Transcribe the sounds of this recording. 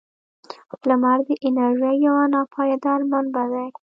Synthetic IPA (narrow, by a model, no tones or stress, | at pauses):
lamaɾd̪əʔɪnaɾʒijawanɑpʰɑjad̪aɾmanbad̪a